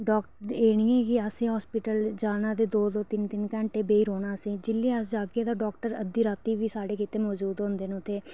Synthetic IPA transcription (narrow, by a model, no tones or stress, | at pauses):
ɖɔːkʈəɾeːɽiːɛːkɪasẽːɦɔːspɪʈəld͡ʒaːnaːd̪eːd̪oːd̪oːt̪ɪnt̪ɪnkɛ̃ːɳʈeːbeːiːɾoːnaːəsĩːd͡ʒɪlːeːəsd͡ʒaːkeːd̪aːɖɔːkʈəɾə̰d̪iːɾaːt̪iːʋiːsaːɽeːkɪt̪eːmɔːd͡ʒuːd̪ɦõːnd̪eːñːt̪ʰːeː